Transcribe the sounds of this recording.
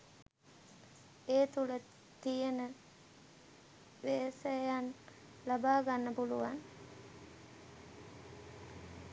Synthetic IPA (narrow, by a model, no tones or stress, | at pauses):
eːt̪ulə | t̪ijənə | ʋeːsəjan | labaːɡanːəpuluʋan